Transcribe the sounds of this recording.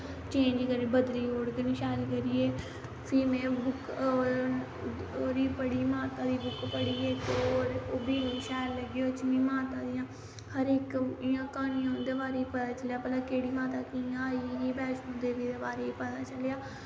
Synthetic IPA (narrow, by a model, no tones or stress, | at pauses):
t͡ʃẽːɲd͡ʒkəɾiːbəd̪liːoːɽkənĩːʃɛːlkəɾiːeː | pʰiːmɛ̃ːbʊkː | oːɾiːpəɽiːmaːt̪ãːd̪iːbʊkpəɽiːekoːɾobiːniːʃɛːlːəɡiːot͡ʃɪnĩːmaːt̪ãːd̪ɪjãː | həɾɪkɪjãːkaːniːãːd̪eːbaːɾeːpət̪aːt͡ʃəljaːpəlaːkeːɽiːmãːt̪aːkɪjãaːiiːbɛːt͡ʃõːd̪eːʋiːd̪eːbaːɾeːpət̪aːt͡ʃəljaː